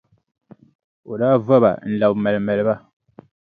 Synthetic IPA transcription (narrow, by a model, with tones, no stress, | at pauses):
o˨daː˦va˦ba̰˨n̩˨la˨bmɛ˨lmɛ˨lɨ˦ba˦